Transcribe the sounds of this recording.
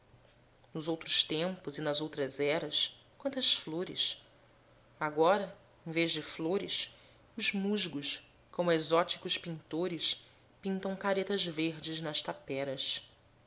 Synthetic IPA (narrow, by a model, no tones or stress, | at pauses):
nʊzowt̪ɾʊʃt̪ẽmpʊzɪnɐzowt̪ɾɐzɛɾɐs | kwɐ̃nt̪ɐsfloɾɪ̰s | aɡɔɾɐ | ẽj̃veʒd͡ʒɪfloɾɪs | ʊzmuʒɡʊs | kõmʊezɔt͡ʃi̥kʊspĩnt̪oɾɪs | pĩnt̪ɐ̃w̃kaɾet̪ɐzveɾd͡ʒɪznɐʃt̪apɛɾɐs